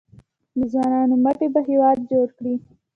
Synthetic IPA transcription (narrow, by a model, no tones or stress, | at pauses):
d̪əzwɑnɑnomaʈebaɦewɑd̪̚d͡ʒoɽkɽi